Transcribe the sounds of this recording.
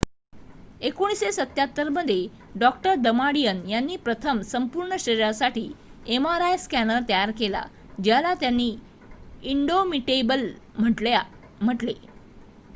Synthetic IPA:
ekoɽ̃isesət̪jat̪ːəɾməd̪ʱːje | ɖɔk̚ʈəɾd̪əmaɽijənjanːiːpɾət̪ʰəmsəmpuɾɳəɕəɾiɾasaʈiːemaɾajskænəɾt̪əjaɾkela̰ | d͡ʑjalat̪janːiː | iɳɖomiʈebəlm̤əʈlja | m̤əʈle

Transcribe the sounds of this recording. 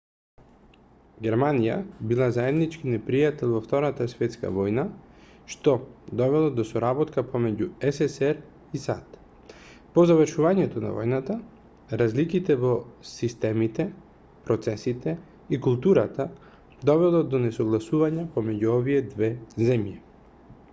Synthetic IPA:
ɡʲɛɾmanija̰bilˠazaɛd̪nit͡ʃkinɛpɾijat̪ɛlˠvɔft̪ɔɾat̪asvɛt̪ska̰vɔjnaʃt̪ɔd̪ɔvɛlˠɔd̪ɔsɔɾabɔt̪kapɔmɛɟuɛsɛsɛɾ | isa̰t̪ | pɔzavəɾʃuvaɲɛt̪ɔna̰vɔ̰jnat̪a | ɾazlikit̪ɛvɔsist̪ɛmit̪ɛ | pɾɔt̪sɛsit̪ɛ | ikulˠt̪uɾat̪a | d̪ɔvɛlˠɔd̪ɔnɛsɔɡlˠasuvaɲapɔmɛɟuɔvijɛd̪vɛzɛmji

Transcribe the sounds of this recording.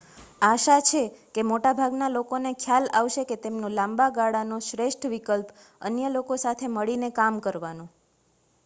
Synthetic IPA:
aʃat͡ʃʰekemoʈabʱaɡnalokonekʰjalaʋʃeket̪emnũlãmbaɡaɽanoʃɾeʃʈʰʋikəlp | ə̰njəlokosat̪ʰeməɭinekamkəɾʋanũ

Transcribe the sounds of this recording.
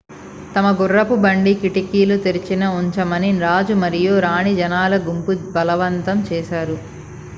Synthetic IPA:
t̪ɐmɐɡurːɐpubɐɳɖikiʈikiːlut̪eɾit͡ʃinɐuɲt͡ʃɐmɐniɾaːd͡ʒumɐɾijoːɾaːɳid͡ʒɐnaːlɐɡumpubɐlɐʋɐnt̪ɐmt͡ʃɛːʃaːɾu

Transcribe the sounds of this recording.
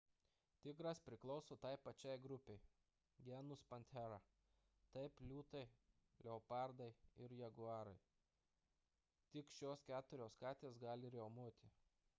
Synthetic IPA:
t̪ʲɪɡɾɐspʲɾʲɪklˠɒʊsoːt̪ɑɪpɐt͡ʃʲɛˑɪɡɾʊpʲeɪ | ɡʲɛnʊspɐnʲt̪ʲɛɾɐ | t̪ɐɪplʲuːt̪ɐɪ | lʲɛɔpɑˑɾd̪ɐɪɪɾjɛɡʊɑːɾɐɪ | t̪ʲɪkʃʲoːskʲæːt̪ʊɾʲoːskɑːt̪ʲeːsɡɑːlʲɪɪɾjoːʊmuɔt̪ʲɪ

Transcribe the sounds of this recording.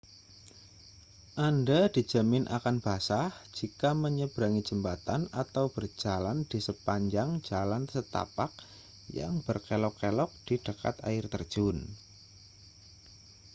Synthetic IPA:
ʔandad̥i̥d͡ʒ̥a̤mɪnʔa̰kanb̥asahd͡ʒ̥ikaməɲəb̥ɾaŋi̥d͡ʒ̥əmpat̪anat̪awb̥ərd͡ʒ̥aland̥isəpaɲd͡ʒaŋd͡ʒalansət̪a̰pak̚ | ja̰ŋb̥ərkelɔkːelɔk̚d̥id̥əka̰t̪a̰ɪrt̪ərd̥ʒ̥ʊn

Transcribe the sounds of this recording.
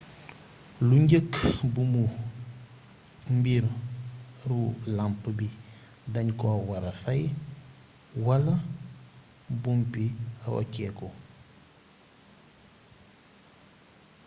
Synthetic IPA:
luɲɟəkːbumu | mbiɾ | ɾulampbi | dɐɲkɔwɐɾɐfɐj | wɐlɐ | bumpiaɾo̰cɛːkɔ

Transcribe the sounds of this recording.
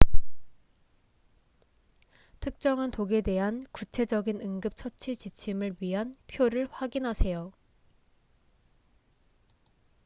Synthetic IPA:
tʰɯk̚t͡ɕ͈ʌŋantoɡe̞de̞ɦankut͡ɕʰe̞d͡ʑʌɡinɯŋɡɯp̚t͡ɕʰʌt͡ɕʰit͡ɕit͡ɕʰimɯɭɥiɦanpʰjoɾɯɭɸwaɡinɦasʰe̞jo

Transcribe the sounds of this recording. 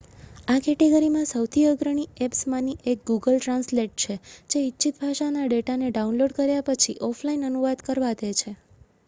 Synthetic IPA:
akɛʈeɡəɾimãsəwt̪ʰiəɡɾəɽ̃iepsmãniʔek̚ɡuɡəlʈɾãnsleʈ̚t͡ʃʰed͡ʒeitːt͡ʃʰit̪bʱaʃanaɖeʈaneɖaunloɖkəɾjapət͡ʃʰiʔɔpʰlainənuʋad̪kəɾʋad̪et͡ʃʰe

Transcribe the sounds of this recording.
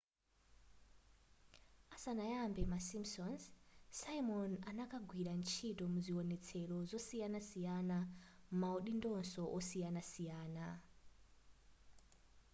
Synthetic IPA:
asanajambemasimsɔnssaimonanakaɡʱwiɾant͡ʃʰitomuziwɔnet͡sʰelozɔsijanasijanammauɗindɔnsɔʔɔsijanasijaːna

